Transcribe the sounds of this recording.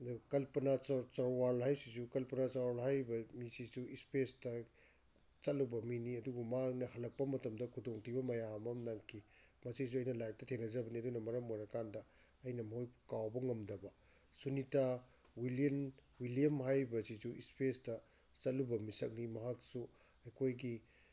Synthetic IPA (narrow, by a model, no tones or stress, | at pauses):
kɐlpɐnat͡ʃaɾwalhajsisukɐlpɐnat͡ʃawalhajbɐmisisuispesdɐ | t͡ʃɐt̚lubɐminiɐduɡɐmanɐhɐlɐk̚pɐmɐtɐmdɐkʰudoŋtibɐmɐjamɐmnaŋkʰimɐsis̬uɐjnɐlajk̚tɐtʰenɐzɐbɐniɐdunɐmɐɾɐmojɾɐkandɐːjnɐmɐɦojkawbɐŋɐmdɐbɐ | sunita | wilienwiliɐmhajbɐsisuispestɐ | t͡ʃɐtlubɐmisɐk̚nimɐɦaksu | ɐjkʰojɡi